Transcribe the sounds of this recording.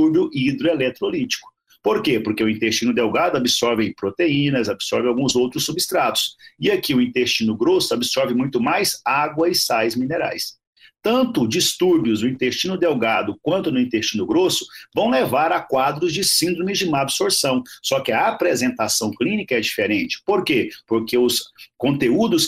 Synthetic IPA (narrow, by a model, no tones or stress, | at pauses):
uɾbjʊʔid̪ɾoelɛt̪ɾolit͡ʃi̥kʊ̥ | poɾkepoɾkeʊĩnt̪est͡ʃĩnʊd̪ewɡad̪ʊabɪsɔɾvẽj̃pɾot̪eĩnɐzabɪ̥sɔɾvɪ̃awɡũzowt̪ɾʊsubɪst̪ɾat̪ʊ̥sɪakiʊĩnt̪est͡ʃĩnʊɡɾosʊabɪsɔɾvɪmũj̃t̪ʊmajzaɡwɐɪsajzmĩneɾa̰js | t̪ɐ̃nt̪ʊd͡ʒist̪uɾbjʊzd̪ʊĩnt̪est͡ʃĩnʊd̪ewɡad̪ʊkwɐ̃nt̪ʊnʊĩnt̪est͡ʃĩnʊɡɾosʊ̥vɐ̃w̃levaɾɐkwad̪ɾʊzd͡ʒɪsĩnd̪ɾõmɪzd͡ʒɪũmɐabsoɾsɐ̃w̃sɔkɪɐapɾezẽnt̪asɐ̃w̃klĩnikɐɛd͡ʒifeɾẽnt͡ʃɪ̥poɾkepoɾkeʊskõnt̪eud̪ʊs